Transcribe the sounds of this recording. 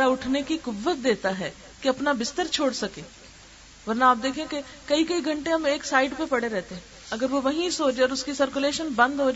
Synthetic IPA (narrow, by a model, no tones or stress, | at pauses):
ɽaʊʈʰnekikʊbːət̪̚d̪eːt̪aɦɛː | keɐpnabɪst̪əɾt͡ʃʰoːɽsɐkeː | ʋɐɾnaːp̚d̪eːkʰẽke | kɐikɐiɡʱəɳʈeɐmeːksaːɪɖpepɐɽeɾɛɦːt̪eɦɛ̃ | ɐɡəɾʋoʋɐɦĩsoːd͡ʒɔːɾʊskisəɾkʊleːʃənbɐ̃nd̪ɦoːd͡ʒ